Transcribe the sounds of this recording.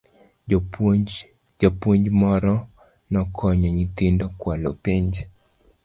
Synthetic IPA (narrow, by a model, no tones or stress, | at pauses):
d͡ʒapwɔɲd͡ʒmɔɾɔ | nɔkʰɔɲɔɲit̪indɔkwalopɛɲd͡ʒɛ